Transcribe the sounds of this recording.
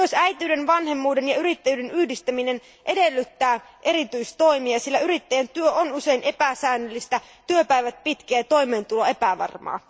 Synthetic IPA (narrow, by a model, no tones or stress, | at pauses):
osæjt̪iyːdenʋɑnɦe̞mːuːde̞njɑyɾit̪ːæjyːdenyhdist̪æminen | ʔe̞de̞lːyt̪ːæː | ʔe̞ɾit̪yist̪o̞imiɑsilːæyɾit̪ːæjænt̪yøʔonuse̞inʔe̞pæsæːnːølːist̪æ | t̪yøpæjʋæt̪̚pit̪keːt̪o̞jme̞ːnt̪uloe̞pæʋɑ̰rmɑ̰ː